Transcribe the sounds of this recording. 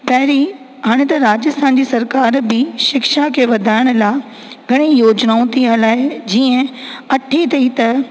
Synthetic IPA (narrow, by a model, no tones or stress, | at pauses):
pɐɦɪɾi | ɦaːɽ̃et̪ɐɾaːd͡ʑəst̪ʰaːnd͡ʑiːsɐɾkaːɾbɪʃɪkʃakʰeːʋɐd̪ʱaːɪɽ̃ʊ̆laː | ɡʱɐɽ̃ijoːd͡ʑnaːũt̪ʰiəlaːɦed͡ʑiːə̃ɐʈʰit̪ʰɐit̪ɐ